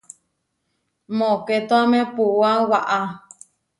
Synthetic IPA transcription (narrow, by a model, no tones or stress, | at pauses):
mõket̪oamẽpuwawaʔa